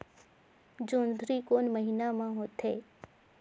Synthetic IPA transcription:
d͡ʒoːnd̪ʱɾikoːnməɦɪnamãɦoːt̪ɦɛː

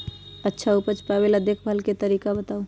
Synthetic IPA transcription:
ətːʃʰaupət͡ʃpɾabeləd̪ʱjəkʰbʱəlket̪əɾiːkabət̪au

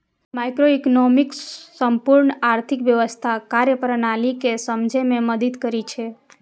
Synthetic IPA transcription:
majkɾoiknomiksəmpuɾɳəaɾt̪ʰikʋjəʋəst̪ʰakaɾjəpəɾnalikesəmd͡ʒʱemẽməd̪əd̪kəɾit͡ʃʰe

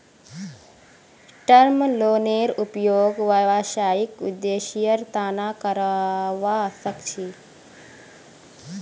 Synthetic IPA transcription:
ʈəɾmloːneɾupjoːɡʋɐʋaʃaːjikʋḭd̪ːeʃijəɾt̪aːnakəɾaʋasəkt͡ʃʰi

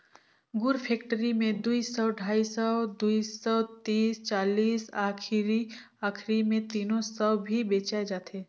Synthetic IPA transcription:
ɡʊɾpʰeːk̚ʈəɾimẽd̪uisɔːɖʱaːisɔd̪uisɔt̪iːst͡ʃaːliːsaːkʰɾi | aːkʰɾimẽt̪iːnõsəwbʱibeːt͡ʃaed͡ʒaːt̪eː

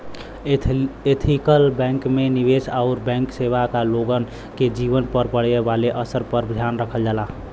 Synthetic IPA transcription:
et̪ʰikəlbɛ̃ːŋkmeniʋesaʊɾbɛ̃ːŋkseʋakaloɡən | ked͡ʒiʋənpəɾpəɽ̤ebaleʔəsəɾpəɾbʱjanɾəkʰəld͡ʒaːla

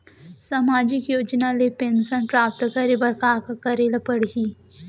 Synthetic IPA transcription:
samaːd͡ʒɪkjoːd͡ʒnalepensənpɾaːpt̪kəɾebɐɾkaːkakɐɾelapəɽɦi

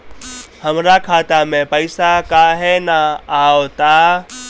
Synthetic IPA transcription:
həmɾakʰaːt̪amẽpəɪsakaɦɛnaaːot̪a

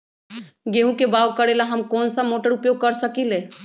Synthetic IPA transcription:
ɡeːɦũkebaːʋkəɽelaɦɐmkɔːnsamoːʈəɾʊpjoːɡ̚kɐɾsəkileː

